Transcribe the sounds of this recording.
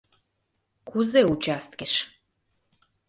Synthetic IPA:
kuzeut͡ɕast̪keʃ

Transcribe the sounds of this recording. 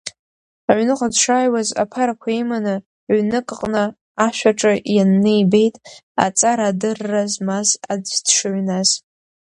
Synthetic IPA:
aʕnɨqʷʼadʂaːjwaza̰pʰaɾakʷʰaimanɨ | ʕʷnɨkʼqʼnɨ | aʃʷᶣaʈ͡ʂʼɨjanːɨjbe̞jtʼa̰t͡sʼaɾadɨrːazmazaddʂɨʕnaz̥

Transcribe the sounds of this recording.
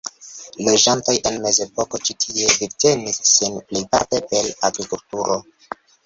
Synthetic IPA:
lod͡ʒantojʔe̞nme̞ze̞po̞ko̞t͡ʃitʰie̞viɾte̞nisːinplijpa̰ɾtee̞laɡɾikultuɾʔo̞

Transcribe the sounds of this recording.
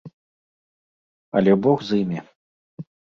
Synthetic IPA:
ɐ̰lʲɛbɔɣzimʲi

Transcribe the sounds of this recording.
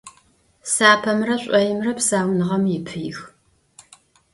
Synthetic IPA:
saːpʰɐmrɐɕʷʼɐjɪmrɐpsaːwnɨʁɐmjɪpʰɨjx

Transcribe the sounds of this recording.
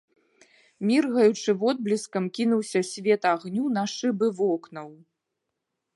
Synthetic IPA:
mʲirɣɐjut͡ʂɨvɔd̪̚blʲiskɐmkʲinuwsʲɐsʲvʲɛt̪aɣnʲunaʂɨbɨvɔknɐw

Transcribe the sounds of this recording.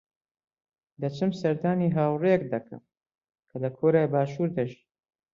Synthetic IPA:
d̪ɐt͡ʃʰɨmsɐɾd̪aːniːɦaːwrek̚d̪ɐkʰɐ̰m | kʰɐlɐkʰoːɾaːjbaːʃuːɾd̪ɐʒiː

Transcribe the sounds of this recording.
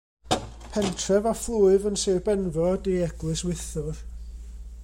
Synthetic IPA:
pʰɛntʰrɛvaflˠuːɨvənseːbɛnvɔdeɛɡ̥lˠɨswɪθʊr

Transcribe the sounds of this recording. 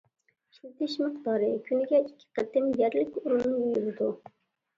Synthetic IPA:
ʃut̪ɪʃmɨqt̪ɑːɾɨkʲʰynɪɡʲɛikʲʰːɪ̥qət̪ːɪmjɛɾlɪkʲuɾunnujuɾɪd̪u

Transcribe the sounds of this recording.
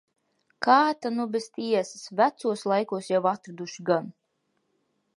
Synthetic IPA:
kaːt̪anubest̪iɛsɨ̥svæt̪suɔslˠajkuɔsjawat̪ɾad̪uʃiɡan

